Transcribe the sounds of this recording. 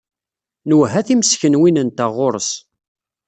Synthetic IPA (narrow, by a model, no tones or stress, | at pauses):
nəwɦæθiməsçənwinənt̪æʁoɾˤəs